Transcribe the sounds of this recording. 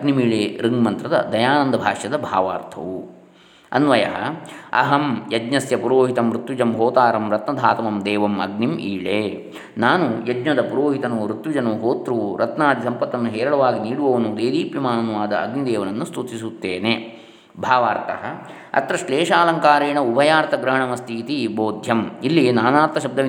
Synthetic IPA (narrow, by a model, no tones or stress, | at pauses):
ɐɡnimiːɭeːɾiŋɡmɐnt̪ɾɐd̪ɐ̰d̪ɐjaːnɐnd̪ɐbʱaːʂjɐd̪ɐbʱaːʋaːɾt̪ʰɐ̰ʋu | ɐ̰nʋɐjɐ̰ɦɐ̰ɐ̰ɦɐmjɐd͡ʒɲɐsjɐpuɾoːɦit̪ɐmɾut̪ʋid͡ʒɐmɦoːt̪aːɾɐmɾɐt̪nɐd̪ʱaːt̪ɐmɐmd̪ɛːʋɐmɐ̰ɡnimiːɭeː | naːnujɐd͡ʒɲɐd̪ɐpuɾoːɦit̪ɐnuːɾut̪ʋid͡ʒɐnuːɦoːt̪ɾuːuɾɐt̪naːd̪isɐmpɐt̪ːɐnːuɦɛːɾɐɭɐʋaːɡiniːɽuʋɐʋɐnud̪eːd̪iːpjɐmaːnɐnuʋaːd̪ɐɐ̰ɡnid̪eːʋɐnɐnːust̪ut̪isut̪ːeːne | bʱaːʋaːɾt̪ʰɐ̰ɦɐ | ɐ̰t̪ɾɐʃleːʂaːlɐŋkaːɾeːɳɐubɐjaːɾt̪ʰɐɡɾɐɦɐɳɐmɐst̪ʰiːt̪iboːd̪ʱjɐmilːinaːnaːɾt̪ʰːɐʃɐb̚d̪ʱɐʋ